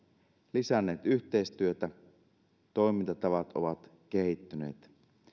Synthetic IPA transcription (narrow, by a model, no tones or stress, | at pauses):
lisænːeːt̪yht̪eist̪yøt̪æ | t̪o̞imint̪ɑt̪ɑʋɑt̪ʔoʋɑt̪k̟ehit̪ːynḛːt̪